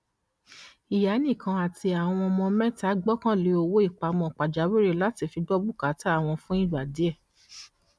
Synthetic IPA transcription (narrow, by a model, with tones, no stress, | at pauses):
i˨ja˨˦nĩ˦˨kʰã˧a˨ti˧a˨w̃ɔ̃˧mɔ̃˧mɛ̃˦ta˨˦ɡ͡bɔ˦kã˦˨le˨˧˦o˦˧wo˦i˦˨k͡pa˨˧mɔ̃˧˨k͡pa˨d͡ʒa˨˦we˦ɾe˦˨la˦ti˦˧fi˧dɔ˦bu˦˨ka˨˦ta˦˨w̃ɔ̃˧fũ˦ĩ˦˨ɡ͡ba˨di˨˦ɛ˦˨